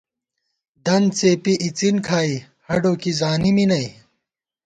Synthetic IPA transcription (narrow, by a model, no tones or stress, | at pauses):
d̪ɐnt͡seːpiʔit͡sinkʰaːi | hɐɖoːkizaːniminɐi